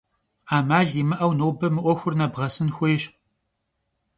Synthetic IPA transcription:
aːmaːɮimɨʔɐwnoːbɐmɨʔʷɔxʷʊrnɐbʁɐsɨnxʷʊjɪɕ

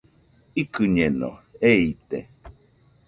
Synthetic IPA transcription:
ikɨɲeno̰eit̪e

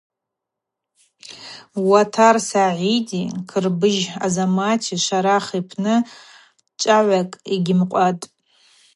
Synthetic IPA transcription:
watʰarsaʕidikʰɨrbɨʒazamatʰiʃʷaɾaχipʰnɨ | t͡ʃʼaʕʷakʼiɡʲɪmqʷʼatʼ

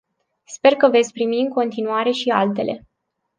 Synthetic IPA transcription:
spe̞rkəve̞t̪sʲpɾimiɨŋko̞nt̪inuaɾe̞ʃia̰lt̪e̞lʔe̞̰

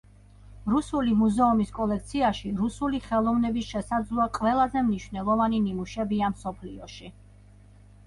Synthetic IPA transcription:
ɾusulimuzɛumiskʼɔlɛk̚t̪sʰiaʃiɾusuliχɛlˠɔvnɛbisʃɛsad̪zlˠuaqʼvɛlˠazɛmniʃvnɛlˠɔvaninimuʃɛbiamsɔpʰliɔʃi

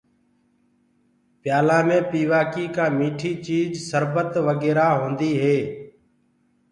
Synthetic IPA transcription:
pjaːlãːmẽːpiːʋaːkiːkãːmiːʈʰiːt͡ʃiːd͡ʒsəɾbət̪ʋəɡeːɾaːɦõːnd̪iːɦeː

